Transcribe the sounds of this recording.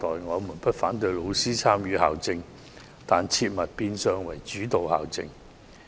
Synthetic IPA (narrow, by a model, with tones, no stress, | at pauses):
t̪ɔː˨jŋɔː˨˧muː˨˩npɐ˥t̚faː˨˥nt̪ɵ˧ɥjlo˨˧wsiː˥t͡sʰaː˥mjyː˨˧˥ha̰ː˨˩wt͡sɪ˧ŋ | t̪aː˨nt͡sʰiː˧t̚mɐ˨t̚piː˧nsœː˧ŋwɐ˨˩jt͡ʃyː˨˥t̪o˨wha̰ː˨˩wt͡sɪ˧ŋ